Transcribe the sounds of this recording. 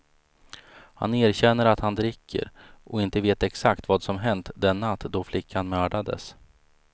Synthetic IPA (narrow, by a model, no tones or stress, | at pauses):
ha̰neːɾɕɛnːəɾat̪hand̪ɾɪkʰːə̰ɾʔɔɪnt̪əveːt̪ɛksakt̪vaːd̪sɔmɦɛnt̪d̪ɛnːat̪ːd̪ɔflɪkʰːanmœːɖad̪ə̰s